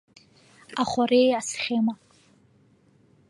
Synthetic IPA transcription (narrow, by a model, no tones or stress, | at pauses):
aχʷarejasχʲema